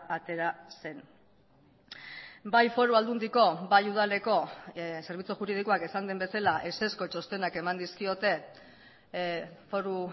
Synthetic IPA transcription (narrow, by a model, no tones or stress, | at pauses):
at̪e̞ɾase̞n | bajfo̞ɾuald̪und̪iko̞bajuð̞ale̞ko̞se̞ɾβ̞it͡suʝuɾið̞iko̞akesand̪e̞mbe̞salaʔe̞se̞sko̞t͡ʃo̞st̪e̞nake̞mand̪iskio̞t̪e̞ | fo̞ɾu